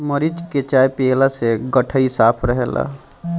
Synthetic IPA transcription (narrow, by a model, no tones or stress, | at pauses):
məɾid͡ʒket͡ʃaːjpeːlaseɡəʈʰəisaːpʰɾəɦeːla̰